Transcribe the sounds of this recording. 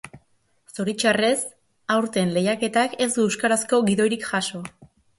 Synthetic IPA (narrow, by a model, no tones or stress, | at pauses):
soɾit͡ʃare̞s | awɾt̪e̞nle̞jake̞t̪ake̞zuewskaɾasko̞ɣiðo̞jɾikʝaʃo̞